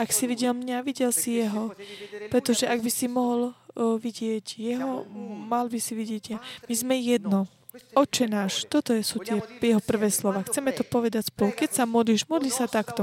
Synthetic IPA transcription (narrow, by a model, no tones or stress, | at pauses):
aksiʋiɟɛlmɲaʋiɟɛlsijɛɦɔpɾɛt̪ɔʒɛaɡbisimɔɦɔlʋiɟɪɛɟjɛɦɔmalbisiʋiɟɪɛɟjamizmɛjɛd̪nɔ | ɔt͡ʃɛnaːʃt̪ɔt̪ɔjɛsuːt̪ɪɛjɛɦɔpr̩ʋɛːslɔʋaːxt͡sɛmɛt̪ɔpɔʋɛd̪acspɔlkɛcsamɔd̪liʒmɔd̪lisat̪akt̪ɔ